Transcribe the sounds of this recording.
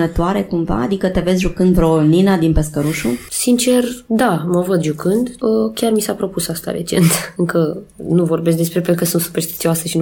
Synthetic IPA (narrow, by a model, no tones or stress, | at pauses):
nət̪oaɾe̞kumva̰ːd̪ikət̪e̞ve̞zʒukɨnd̪vɾoninad̪inpe̞skəɾuʃusint͡ʃe̞rd̪aməvəd̪ʒukɨnd̪əkʲjarmisapɾo̞pusast̪a̰ɾe̞̰t͡ʃe̞̰nt̪ɨŋkənuvo̞rbe̞s̬k̬d̪espɾepenɾukəsunt̪su̥pe̞rst̪i̥t̪sioasəʃin